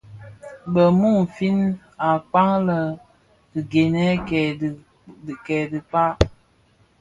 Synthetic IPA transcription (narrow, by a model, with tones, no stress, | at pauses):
bə˨mu˦˨ŋ˨fi˦n | a˨k͡pa˦ŋlə˨ | ɡi˨ɡe˨nɛ˦˨ | kɛ˨di˨k͡pa˦